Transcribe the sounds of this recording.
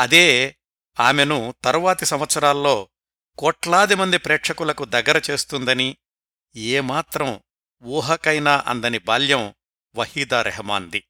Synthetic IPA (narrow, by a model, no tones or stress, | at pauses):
ɐd̪eː | aːmenut̪ɐɾuʋaːt̪isɐmʋɐt̪sɐɾaːlːo̞ː | kɔːʈlaːd̪imɐnd̪ipɾeːkʂɐkulɐkud̪ɐɡːɐɾɐt͡ʃe̞ːst̪und̪ɐni | eːmaːt̪ɾɐ̃m | ʋuːɦɐkɐjnaːʔɐ̰nd̪ɐnibʱaːljɐm | ʋɐhiːd̪aːɾʔɛ̰ɦmaːnd̪i